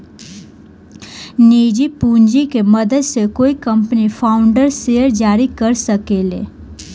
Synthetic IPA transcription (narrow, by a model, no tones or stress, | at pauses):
niːd͡ʒipũːɲd͡ʒikeməd̪əd̪sekoːikə̃mpnipʰaːʊ̃ɳɖəɾseːəɾd͡ʒaːɾikɐɾsəkeːlḛː